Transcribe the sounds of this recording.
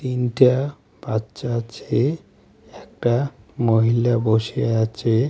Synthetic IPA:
t̪inʈa | b̥atːʃat͡ɕʰe | ɛk̚ʈamoɦilaboʃieat͡ɕʰe

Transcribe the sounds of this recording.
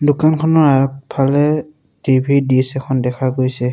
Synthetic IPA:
dʊkankʰɔnɔɹaɔk̚pʰalɛ | tibʱidiɛsɛkʰɔndɛkʰaɡojsɛ

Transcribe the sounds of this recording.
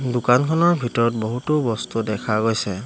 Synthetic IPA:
dukankʰɔnɔɹbʱitɔɹɔtbɔɦutʊbɔstudɛkʰaɡojsɛ

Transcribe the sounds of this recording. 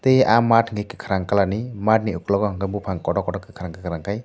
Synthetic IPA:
t̪ejamatŋɡekikʰaɾaŋkalanimat̚niuklɔɡɔŋɡɯmbupʰaŋkɔdɔkɔdɔkikʰaɾaŋkikʰɾaŋkʰaj

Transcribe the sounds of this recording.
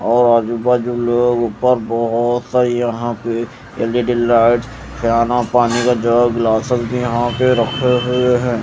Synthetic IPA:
ɔːɾaːd͡ʒubaːd͡ʒuloːɡʊpəɾbɔɦʊt̪saɾijɐɦãpe | eleɖɪlaːɪʈ | xijaːnapaːnikad͡ʒəɡlaːsəzbʱijɐɦãpeɾɐkʰeɦʊeɦɛː

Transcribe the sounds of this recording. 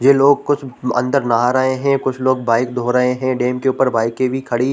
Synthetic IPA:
jeːloːɡ̚kʊt͡ʃʰɐ̰̃nd̪əɾnaɦɾəɦeɦɛ̃kʊt͡ʃʰloːɡ̚baːɪkd̪ʱoːɾɐɦeɦɛ̃ːɖeːmkeuːpəɾbaːɪkːebʱikʰɐɽi

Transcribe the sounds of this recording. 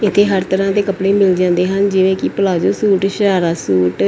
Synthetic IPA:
ɪt̪ʰːeːɦəɾt̪əɾãːd̪eːkəpɽeːmɪld͡ʒãːnd̪eːɦənd͡ʒɪʋẽːkipəlaːd͡ʒoːsuːʈʃəɾaːɾaːsuːʈ

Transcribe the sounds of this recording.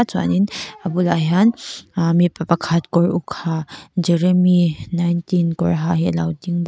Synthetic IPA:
t͡swa̰ninɐbulajanmipɐpakʰatkɔɹukʰad͡ʒɛɾeminajntinkɔɹɦaɦilawdiŋb

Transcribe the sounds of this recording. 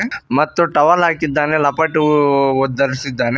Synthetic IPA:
mɐt̪ːuʈɐʋɐlaːkid̪ːaːnelɐpɐʈuɔd̪ːɐɾisid̪ːaːne

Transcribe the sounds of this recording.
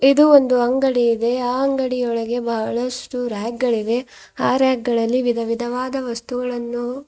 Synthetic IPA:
id̪uond̪uɐŋɡɐɽiːd̪e̞aːɐŋɡɐɽijɔɭɐɡe̞bɐɦɐɭɐsʈuɾaːɡ̚ɡɐɭid̪e̞ | aːɾaːɡɡɐɭɐlːiʋid̪ʱɐʋid̪ʱɐʋaːd̪ɐʋɐst̪uɡɐɭɐnːu

